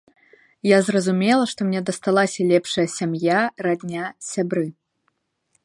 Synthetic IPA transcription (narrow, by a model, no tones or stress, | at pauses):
jazrɐzumʲɛlˠɐʂt̪ɔmnʲɛd̪ɐst̪alˠasʲɐlʲɛpʂɐjɐsʲamjaɾad̪ʲnʲasʲabɾɨ